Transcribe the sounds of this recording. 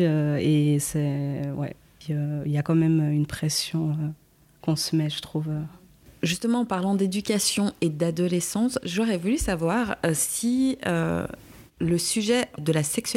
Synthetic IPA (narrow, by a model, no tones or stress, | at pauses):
øesɛwɛ̰ | piøiljakɑ̃mɛmøynpχɛsjɔ̃ø | kɔ̃səmɛʒət̪χuvø | ʒyst̪əmɑ̃ːpaʁlɑ̃d̪ed̪ykʲasjɔ̃ed̪ad̪ɔlɛsɑ̃sʒɔʁɛvulysavwaʁø̰siø̰ | ləsyʒɛd̪əlasɛks